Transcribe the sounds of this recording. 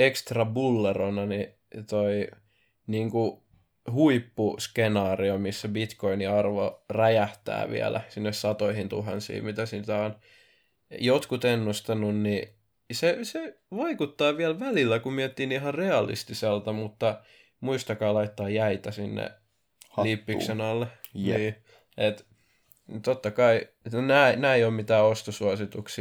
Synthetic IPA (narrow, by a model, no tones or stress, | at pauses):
ekst̪rɑbulːeronɑni | t̪oi | niːŋku | huipːuskenɑːriomisːæbit̪koiniɑrʋoræjæht̪æ̰ːʋḭæ̰lʔæ̰sinːessɑt̪oihint̪uɦɑnsḭːmit̪æsit̪æon | jot̪kut̪enːust̪ɑnunni | sese | ʋɑikut̪ːɑːʋiælʋælilːækummiɛt̪ːinihɑreɑlḭst̪iselt̪ɑmut̪ːɑ | muist̪ɑkɑːlɑit̪ːɑːjæit̪æsinːḛ | hɑlipːiksenɑlːeniː | et̪ | t̪ot̪ːɑkɑi | næːnæːeijoːmmit̪æːost̪osuɑsit̪uks